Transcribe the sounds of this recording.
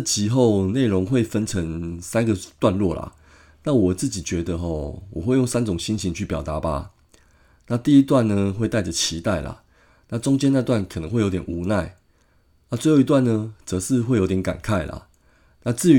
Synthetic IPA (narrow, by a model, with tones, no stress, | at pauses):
t͡ɕʰi˧˥xo˥˨ʊne˥˩ɪʊ˧˦ŋxwe˥˨ɪfə˦nt͡sʰə˧˦ŋsa˦nɡə˨t̪wa˥˧nlwɔ˥˨˩la̰˨˩ | na˥˨wɔ˨˩t͡sɹ̩˥˩t͡ɕi˨˩t͡ɕɥɛ˧˥d̪ə˧ɦɔ̰˨˦wɔ˨˩xwe˥˧ɪjo˥˩ŋsa˦˥nt͡sʊ˨˩ŋɕi˦˥nɕi˨˦nt͡ɕʰy˥˩pjɑ˨˩t̪a˨˦ba̰˨ | na˥˧t̪i˥˧˨i˦˥t̪wa˥˧nnə˨xwe˥˧ɪt̪a˥˩ɪʈ͡ʂə˨t͡ɕʰi˨˥t̪a˥˩ɪla̰˨˩ | na˥˨ʈ͡ʂʊ˥˦ŋt͡ɕjɛ˥na˥˧t̪wa˥˩nkʰə˨˩nə˧˦ŋwe˥˩ɪo˧˦ʊt̪jɛ˨˩nʔu˨˥˦na˥˩ɪ | na˥˧t͡swe˥˧ɪxo˥˩i˧t̪wa˥˨nə˨t͡sɤ˧˦ʂɻ̩˥˧xwe˥˩jo˧˥ʊjɛ˧˦nka̰˨˩nkʰa˥˩ɪla̰˩ | na˥˧t͡sɹ̩˥˨